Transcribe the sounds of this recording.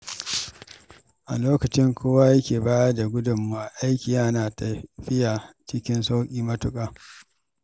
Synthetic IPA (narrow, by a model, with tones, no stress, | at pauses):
ʔa˨loː˦kɐ˨t͡ʃɪ˦ŋkʰʷoː˦wa˦jɐ˦kʲeː˨baː˦ja˦da˨ɡʷʊ˦dʊ˨mːa˨ʔa˨ʔa˦jkʲi˨jaː˦naː˨tɐ˨ɸɪ˦ja˨ | t͡ʃɪ˦kʲɪ˦nsa˦wkʲʼiː˦˨mɐ˦tʊ˦˨kʼaː˨